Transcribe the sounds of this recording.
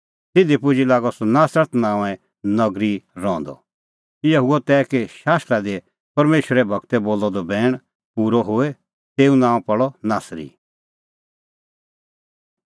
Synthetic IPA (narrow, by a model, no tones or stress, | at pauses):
t̪ɪd̪ipʊd͡ʒilaːɡɔsɔnaːsɾəɾt̪nãːɛ̃ | nɐɡɾiɾɔ̃ːnd̪ɔ̰ | ɪjaɦuɔt̪ɛːkeʃaːst̪ɾad̪e | pɐɾmeːʃəɾɛbʱɐɡt̪ɛboːlːɔd̪ɔbʱɛːɽ̃ | puːɾɔɦoːe | t̪eːũnãːɔ̃pɐɭɔnaːsɾḭ